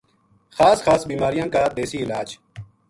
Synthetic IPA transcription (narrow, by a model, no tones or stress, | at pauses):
xaːsxaːsbiːmaːɾijãːkaːd̪eːsiːɪlaːd͡ʒ